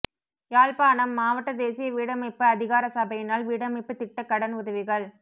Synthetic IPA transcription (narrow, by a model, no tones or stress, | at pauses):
jaːlpaːɳɐmːaːʋɐʈːɐd̪eːsɪjɐʋiːɽɐmɐɪpːɯɐðɪɣaːɾɐsɐbɐjɪnaːlʋiːɽɐmɐɪpːɯt̪ɪʈːɐkːɐɽɐnʊðɐʋɪɣɐɭ